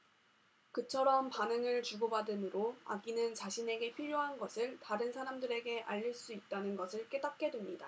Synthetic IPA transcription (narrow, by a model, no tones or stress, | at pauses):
kɯt͡ɕʰʌɾʌmpanɯŋɯɭt͡ɕuɡobadɯmɯɾoa̰ɡinɯnt͡ɕaɕʰine̞ɡe̞pʰiʎjoɦanɡʌsʰɯɭtaɾɯnsʰaɾamdɯɾe̞ɡe̞ʔa̰ʎːiɭs͈uit̚t͈anɯnɡʌsʰɯɭk͈e̞dak̚k͈e̞dwemɲida